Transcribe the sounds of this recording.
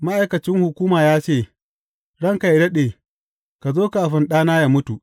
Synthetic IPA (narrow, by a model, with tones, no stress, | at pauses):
ma˦ʔa˨jkɐ˨t͡ʃɪ˦ŋhʊ˨kʷuː˦maː˨jaː˦t͡ʃeː˦˨ | ɽɐ˦ŋka˨jɽɐ˦ɗeː˨ | ka˨zoː˦ka˨a˨ɸɪ˨nɗaː˦naː˦ja˨mʊ˦tu˨ʔ